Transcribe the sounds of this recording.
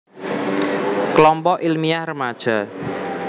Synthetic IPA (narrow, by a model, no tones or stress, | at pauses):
klɔmpɔʔilmiahrəmad̥ʒ̥a